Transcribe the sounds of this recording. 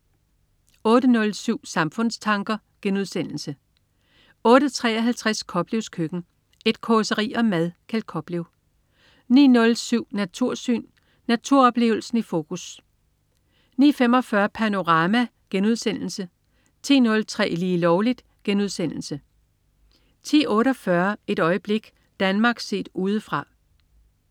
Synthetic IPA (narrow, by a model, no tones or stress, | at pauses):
ɔ̽ːɾənɔ̽lsyʊ̰sɑ̈mfɔ̽n̰st͡sʰɑ̈ŋɡ̥ɐ | ɡ̥enuð̞̰ˠsen̰l̩sə | ɔ̽ːɾət͡sʰʁɛ̰ːɒɦælt͡sʰʁæskʰɒ̽b̥liʊskʰøɡ̥n̩ | e̝d̥kʰɒsəʁḭːɒ̽mæðˠkʰæl̥̚kʰɒ̽b̥liʊ | nḭːnɔ̽lsyʊ̰næt͡sʰuɐ̰sy̰ːnː | æt͡sʰuɐɒ̽b̥le̝ːʊl̩sn̩ifo̝ːkʰus | nḭːfem̰ɒ̽fɶːɐpʰæno̝ʁɑ̈mæ | ɡ̥enuð̞̰ˠsen̰l̩sə | t͡sʰḭːnɔ̽lt͡sʰʁɛ̰ːliːlɒʊlid̥ | ɡ̥enuð̞ˠsen̰l̩sə | t͡sʰḭːɔ̽ːɾəɒ̽fɶɐe̝dɾɒ̽ɪəb̥le̝ɡ̥ | d̥ænmɑ̈ːɡ̥se̝̰ːd̥uːð̞ˠəfʁɑ̈